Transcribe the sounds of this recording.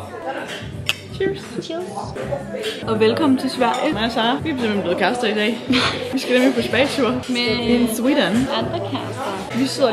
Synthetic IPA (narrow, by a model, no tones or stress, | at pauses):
t͡ʃʰist͡ʃʰilˠs | ʔɒ̽ʋelkʰɒ̽mn̩t͡sʰe̝lsʋæɐ̰jəmæsɑ̈ːʋife̥semb̥enb̥le̝ːðˠkʰæsd̥ɐid̥ɛ̰ːʋisɡ̥æd̥emepʰɒ̽sb̥ɛ̰ːst͡sʰuɐmeeswid̥ənɑnd̥ɐkʰæsd̥ɐ | ʋiseðˠɐ